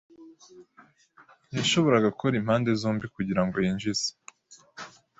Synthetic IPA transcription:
jaʃo̞βo̞ɾaɡakʰoɾim̥haːnde̞zuːmbikuɟiɾaŋɡojiːɲʒiz̥e̥

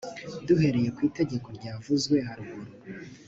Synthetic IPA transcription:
duhe̞ɾe̞je̞kwiːte̞ɟe̞ko̞ɾɟaːvuzɡwe̞ɦaɾihuɾo

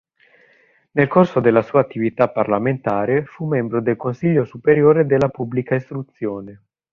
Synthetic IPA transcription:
nelkorsod̪elːasuːaːt̪ːivit̪apːarlament̪aːɾefumːɛmbɾod̪elkonsiʎːosupeɾjoːɾed̪elːapubːlikaist̪ɾut̪sːjoːne

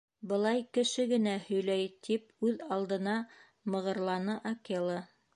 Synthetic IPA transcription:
bɤ̆lˠɑjkɘ̆ʃɘɡɘ̆næhɵ̆jlæjt̪ʰip̚ʉðɑlˠd̪ɤ̆nɑ | mɤ̆ʁɤ̆ɾlˠɑnɤʔɐkelˠə

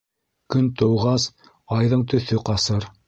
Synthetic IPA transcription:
kɵnt̪ɤ̆wʁɑs | ɑjðɤɴt̪ɵ̆θɵqɑsɤɾ

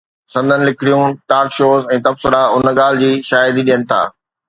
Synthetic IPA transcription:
sɐ̃nd̪ʱənɪ̆lɪkʰɪɽijũʈaːɾkʃoːzɛ̃ːt̪ɐbsɪɾaʊnəɠaːl̤ɪ̆d͡ʑiːʃaːjɪd̪iɗijənɪ̆t̪ʰa̰ː

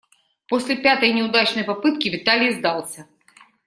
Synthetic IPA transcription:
posʲlʲɪpʲat̪əjnʲɪʊd̪at͡ɕnəjpɐpɨt̪̚kʲɪvʲɪt̪alʲɪjzd̪ɑlˠsʲɐ

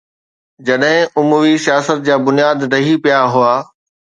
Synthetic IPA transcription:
d͡ʑɐɗɦɪ̃ʔʊmuʋisijaːsət̪̚d͡ʑaːbʊnijaːd̪ɾɐɦipijaɦʊaː

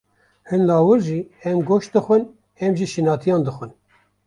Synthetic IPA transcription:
hɨnlɑːwɨɾʒiːɛmɡoːʃt̪̚d̪ɨxʷɨn | ɛmʒiʃinɑːt̪ʰijɑːnd̪ɨxʷɨn

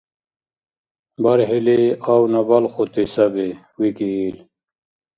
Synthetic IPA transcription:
bɐɾɦileawnɐbɐlxot̪isɐbe | wikiːl

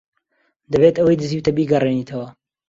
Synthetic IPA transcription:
d̪ɐbeːt̪ɐwɐjd̪ɨziːwt̪ɐbiːɡɐreniːt̪ʰɐwɐ

